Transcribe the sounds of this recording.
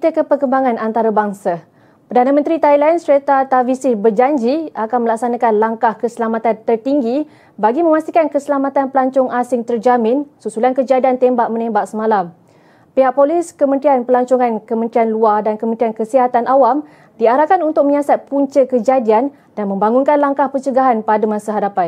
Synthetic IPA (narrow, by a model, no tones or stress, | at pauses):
t̪əkəpərkəmbaŋãnʔant̪aɾabaŋsa | pərdanamənt̪ɾit̪ailansəɾet̪at̪avisibərd͡ʒaɲd͡ʒiakanməlak̚sanãkanlaŋkahkəsəlamat̪ant̪ərt̪iŋɡi | baɡimə̃mast̪ikankəsəlamat̪anpəlaɲt͡ʃɔŋʔasɪŋt̪ərd͡ʒamɪ̃nsusulankəd͡ʒadiant̪embaʔ̚mənembak̚səmalam | peɦak̚polɪskəmə̃nt̪ɾianpəlaɲt͡ʃɔŋankəmənt̪ɾianluardankəmənt̪ɾiankəsiɦat̪anʔawam | diaɾahkanunt̪ʊk̚məɲasat̪̚puɲt͡ʃəkəd͡ʒadian | danmə̃mbaŋunkanlaŋkahpət͡ʃəɡaɦanpadamãsaɦadapan